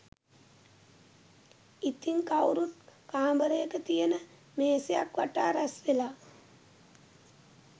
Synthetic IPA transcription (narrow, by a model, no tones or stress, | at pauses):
it̪iŋkawɾut̪̚kaːmbəɾəjəkət̪ijənə | meːsejakʋaʈaːɾasʋelaː